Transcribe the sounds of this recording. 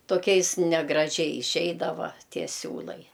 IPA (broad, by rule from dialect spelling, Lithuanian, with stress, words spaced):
toːˈkʲɛɪs nʲɛɡrɐˈʒʲɛɪ ɪˈʃʲɛɪdɐʋɐ ˈtʲiɛ ˈsʲuːlˠɐɪ